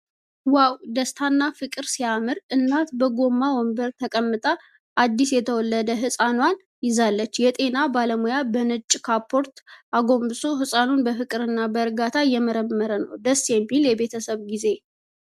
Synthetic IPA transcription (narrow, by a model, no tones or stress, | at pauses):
wawd̪əst̪ʰanːafɨkʼɨɾsijamɨɾʔɨnːat̪bəɡo̞mːawɔmbəɾt̪ʰəkʼəmːɨt̪ʼa | ʔad̪ːisjɛt̪ʰəwɔlːəd̪əɦɨsʼanwan | jɪzalːət͡ʃːjɛt̪ʼe̞nabaləmojabənɨt͡ʃʼːkʰapʰːo̞ɾt̪ʔaɡo̞mbɨso̞ɦɨsʼanunbəfɨkʼɨɾɨnːabəɾɡat̪ʰajɛməɾəmːəɾənə̰wd̪əsɛmːiljɛbe̞t̪ʰəsəβɡize̞